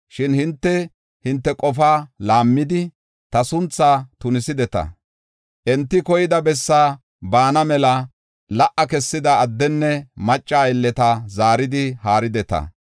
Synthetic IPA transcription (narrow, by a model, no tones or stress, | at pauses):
ʃɪnhɪnt̪ːɛ | hɪnt̪ːɛkʼɔfaːlaːmːɪd̪ɪ | t̪ɐsʊnt͡sːaːt̪ʊnɪsɪd̪ɛt̪ɐ̰ | ʔɛnt̪ːɪkɔjɪd̪ɐbɛsːaː | baːnɐmɛlɐ | lɐʔɐkɛsːɪd̪ɐːd̪ːɛnːɛmɐt͡ʃʼːaːɪlːɛt̪ɐzaːɾɪd̪ɪhaːɾɪd̪ɛt̪ɐ̰